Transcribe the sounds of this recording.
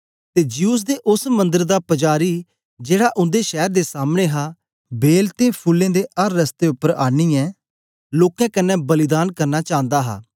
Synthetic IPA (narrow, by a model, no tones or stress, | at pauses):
t̪eːd͡ʒijuːs̬d̪eːʔʊsmə̃nd̪əɾd̪aːpəd͡ʒaːɾiː | d͡ʒeːɽaːʔʊ̃nd̪eːʃɛːɾd̪eːsaːmñẽːɦaː | beːlt̪eːpʰʊlːẽːd̪eːʔəɾːəst̪eːʊpːəɾaːniːɛ̃ː | loːkɛ̃ːkənɛ̃ːbəlɪd̪aːnkəɾnaːt͡ʃãːnd̪aːɦa̰ː